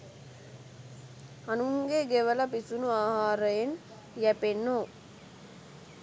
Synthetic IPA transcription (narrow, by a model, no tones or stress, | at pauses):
anuŋɡeɡeʋələpisunuaːhaːɾəjen | jæpenːoː